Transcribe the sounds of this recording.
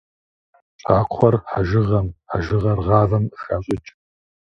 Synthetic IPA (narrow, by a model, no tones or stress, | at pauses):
t͡ʃʼaːqʷʰɔrħaʒɨʁɐmħaʒɨʁɐrʁɑːvɐmxaːɕʼɪt͡ʃʼ